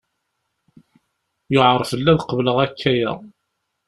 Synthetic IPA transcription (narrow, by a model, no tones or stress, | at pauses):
jʊʕəɾˤfəlːæðqəvləʁækʰːæjæ̰